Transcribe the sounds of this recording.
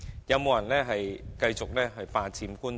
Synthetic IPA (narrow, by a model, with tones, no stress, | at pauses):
jɐ˨˧wmo˨wjɐ˨˩nlɛː˥ɦɐ˨jkɐ˧jt͡sʊ˨k̚lɛː˥ɦɵ˧paː˧t͡siː˧mkuː˥n